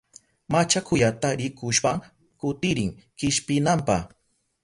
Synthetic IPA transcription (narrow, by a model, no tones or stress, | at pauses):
mat͡ʃakʰʊjat̪aɾɪkʊʃpaŋ | kʊt̪ɪɾɪŋ | kɪʃpɪnampa̰χ